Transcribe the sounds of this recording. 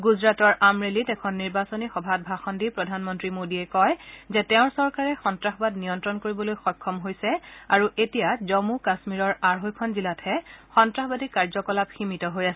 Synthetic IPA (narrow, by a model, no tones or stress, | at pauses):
ɡuzɹatɔɹamɹelitɛkʰɔnːiɹbasɔnixɔbʱat̚bʱaxɔndipɹɔdʱanmɔntɹimodiɛkɔjzɛtɛʊ̃ɹsɔɹkaɹɛxɔntɹaxɔbadnijɔntɹɔnkoɹibɔlojxɔjkʰːɔmɦojsɛaɹuetijazɔmukasmiɹɔɹaɹɦojkʰɔnzilatʰɛxɔntɹaxɔbadikaɹzɔkɔlabximitɔɦojasɛ